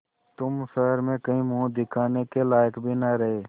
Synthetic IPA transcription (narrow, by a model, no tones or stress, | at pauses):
t̪ʊmsəɦɾmẽkəɦĩmuũd̪ɪkʰaːnekelaːjəkbʱinəɾəɦeː